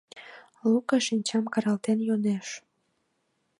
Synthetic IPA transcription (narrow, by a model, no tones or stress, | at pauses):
lukɑʃinʲt͡ɕɑmkɑɾɑlt̪enjoneʃ